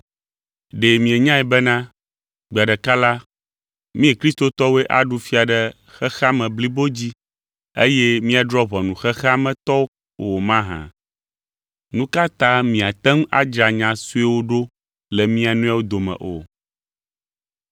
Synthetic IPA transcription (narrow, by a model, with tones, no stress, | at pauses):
ɖe˨mĩ˨e˨ɲã˦ɛ˨bɛ˦nã˦ | ɡ͡ba˨ɖɛ˨ka˦la˦ | mĩ˦e˨kɾi˦st̪o˦t̪ɔ˦we˦ʔa˨ɖu˦fi˦a˨ɖɛ˨ | xɛ˦xa˦mɛ̃˨bli˦bo˦d͡ʑi˦ | e˦jɛ˦mĩ˦a˨ɖɾɔ˦βɔ˨nũ˨xɛ˦xɛ˦a˦mɛ̃˨t̪ɔ˦ | wo˨mã˦ɦã̰˨ | nũ˦ka˦t̪ã˦mĩ˨a˨t̪ɛ˦m˦a̰˦d͡ʒɾa˨ɲã˨su˦e˦wo˦ɖo˦ | lɛ˨mĩ˦a˨nũ˦a˦wo˦d̪o˨mɛ̰̃˨ʔo̰˨